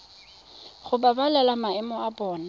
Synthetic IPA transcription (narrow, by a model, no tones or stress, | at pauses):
χʊbabalɛlamaɛmɔabɔːna